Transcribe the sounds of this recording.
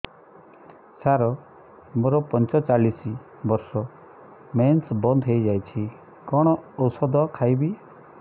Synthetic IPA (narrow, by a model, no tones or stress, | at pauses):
t͡ʃʰaɾɔ | moɾɔpɔnt͡ʃɔt͡ʃalisi | bɔɾsɔ | mensbɔnd̪ʱɦejd͡ʒajt͡ʃʰi | kɔɽ̃ɔːwsɔd̪ɔkʰajbi